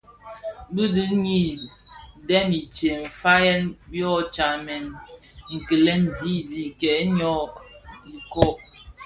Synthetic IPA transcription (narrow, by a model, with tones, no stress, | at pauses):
bi˦di˦ɲi˦˨ | dɛ˦mi˨t͡ʃe˨ɱ̩˨fa˦jɛ˦nbjɔ˦t͡ʃa˨mɛ˨n | ŋ̩˨kə˨lɛ˦nzi˦di˦˨kɛ˨˦ɲɔ˦˨ | i˨kɔ˦